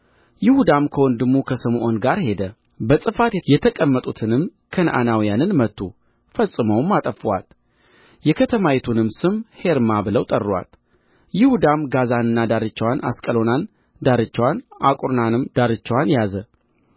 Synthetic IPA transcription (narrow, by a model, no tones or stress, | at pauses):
jɪhud̪amkʰəwɔnd̪ɨmːukʰəsəmʔonɡaɾhe̞d̪ə | bəsʼɨfat̪jɛjɛt̪ʰəkʼəmːət̪ʼut̪ʰɨnɨmkʰənʔa̰nawijanɨnmət̪ʰːṵ | fəsʼːɨməwmːat̪ʼəfwa̰t̪ | jɛkʰət̪ʰəmajɛt̪ʰunɨmsɨmhe̞ɾmabɨləwt̪ʼə̰rːwa̰t̪ | jɪhud̪amɡazanɨnːad̪aɾɨt͡ʃːwanʔa̰skʼəlo̞nan | d̪aɾɨt͡ʃːwanʔa̰kʼuɾnanɨmd̪̥aɾɨt͡ʃːwanjazə